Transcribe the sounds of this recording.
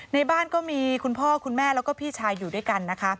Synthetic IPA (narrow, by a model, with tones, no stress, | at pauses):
na˧jbaː˥˩nkɔː˥˩miː˧kʰu˧npʰɔː˥˩kʰu˧nmɛː˥˩lɛː˦˥wkɔː˥˩pʰiː˥˩t͡ɕʰaː˧jːuː˨˩du˥˩jka˧nːa˦˥kʰa˦˥